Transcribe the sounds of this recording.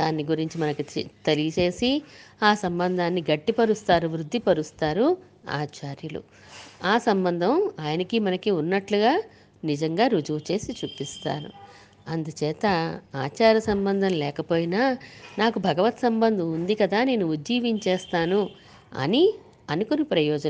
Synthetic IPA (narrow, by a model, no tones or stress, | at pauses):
d̪aːnːiɡuɾiɲt͡ʃimɐnɐkit̪elijɐt͡ʃe̞ːsiaːsɐmbɐnd̪ʱaːnːiɡɐʈːipɐɾust̪aːɾuʋɾud̪ʱːipɐɾust̪aːɾu | a̰ːt͡ʃaːɾjulṵ | aːsɐmbɐnd̪ʱɐmaːjɐnɐkimɐnɐkiunːɐʈluɡaː | nid͡ʒɐŋɡaːɾud͡ʒuʋt͡ʃe̞ːsit͡ʃuːpist̪a̰ːnṵ | ɐnd̪ut͡ʃɛːt̪ɐaːt͡ʃaːɾjɐsɐmbɐnd̪ʱɐmlɛːkɐpo̞ːjinaːnaːkubʱɐɡɐʋɐt̪sɐmbɐnd̪ʱɐmund̪ikɐd̪aːne̞ːnuud͡ʒːiːʋiɲt͡ʃɛːst̪aːnu | ɐ̰ni | ɐnikonipɾɐjɔːd͡ʒɐn